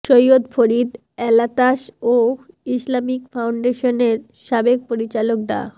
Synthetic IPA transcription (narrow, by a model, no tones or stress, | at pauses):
ʃojot̪fʰoɾid̪ | ɛlat̪aʃoislamikfawɳɖeʃoneɾ | ʃabek̚poɾit͡ɕalok̚ɖa̰